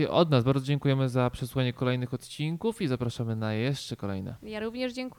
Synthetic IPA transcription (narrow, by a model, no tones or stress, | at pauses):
ɛ̰ʔɔ̰d̪nazbaɾdzɔd͡ʑɛŋkujɛmɘzapʂɛsuxaɲɛkɔlɛjnɘxɔt̪t͡ɕiŋkufizapɾaʂamɘnajɛʂt͡ʂɛkɔlɛ̰jnɛ̰jaɾuvɲɛʐd͡ʑɛŋk